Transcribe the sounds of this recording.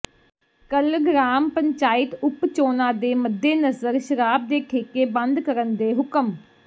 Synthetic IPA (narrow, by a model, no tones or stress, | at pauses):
kəlɡɾaːmpəɲt͡ʃaːɪt̪ʊpt͡ʃoːnãːd̪eːməd̪ːeːnəzəɾʃəɾaːb̚d̪eːkʰeːkeːbə̃nd̪kəɾənd̪eːɦʊkəm